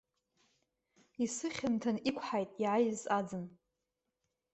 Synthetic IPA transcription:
isɨχʲɪntʰanikʷʰħajtʼiʕajzad͡zɨn

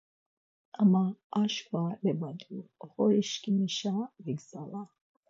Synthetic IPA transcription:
amaːʃvalɛbad̪uχɔɾiʃkimiʃaviɡzala

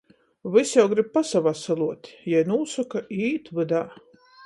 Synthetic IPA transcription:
vɨsjawɡɾib̚pasavasalˠuɔt̪ʲjajnuːsakaʔiːt̪vɨd̪a

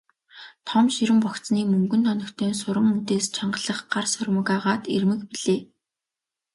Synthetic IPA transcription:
t̪ʰɔmʃiɾɘ̆mpɔkt͡sniːmɵŋɡɵ̆nt̪ʰɔnɞ̆kt̪ʰeːnsʊɾə̆ŋmut̪eːst͡ɕʰaɴɢə̆ɮə̆χɢarsœrʲmɞ̆kaːʁaːt̪ḛrmɘ̆kpiɮeː

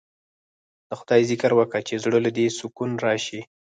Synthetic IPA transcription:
d̪̥əxʊd̪ɑjzɪkaɾwəkat͡ʃezɽəlad̪esʊkunɾɑʃi

